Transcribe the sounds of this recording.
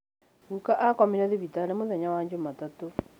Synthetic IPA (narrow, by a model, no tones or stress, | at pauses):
ɣukaʔakɔmiɾɛðiβitanemoðɛɲawaɲd͡ʒomatato